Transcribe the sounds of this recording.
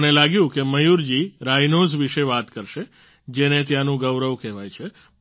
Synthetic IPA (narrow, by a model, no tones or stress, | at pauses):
nelaɡjũkeməjuɾd͡ʒiɾajnozʋiʃeʋat̪kəɾʃe | d͡ʒenet̪̬janũɡəʋɾəʋkɛʋajt͡ʃʰe